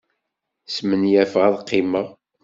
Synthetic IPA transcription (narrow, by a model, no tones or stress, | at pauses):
smənjæfʁæðˤqːɪməʁ